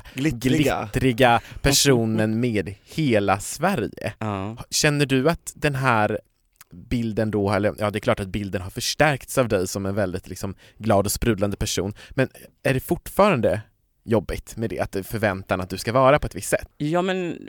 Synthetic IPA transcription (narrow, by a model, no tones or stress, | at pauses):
lɪɡlɪt̪ːɾɪɡapʰæʂuːnənmeːd̪heːlasvæɾjə̰hɕɛnːəɖɵat̪d̪ɛnɦæːɾ | bɪld̪ənd̪ɔhɛlːəɾjʔɑːd̪ɛklɑːʈat̪̚bɪld̪ənɦaɾfœʂʈæɾkt̪savd̪ɛjsɔmɛnvɛld̪ɪt̪lɪksɔm | ɡlɑːd̪ɔspɾʉ̟ːd̪and̪əpʰæʂṵːnmɛnæɖɛfʊʈːfɑːɾand̪ə | jɔbːɪt̪mɛd̪ɛ̰a̰t̪̚d̪fœɾvɛnt̪anat̪̚d̪ɵskavɑːɾapʰɔɛt̪vɪsːɛt̪ːjɑːmɛn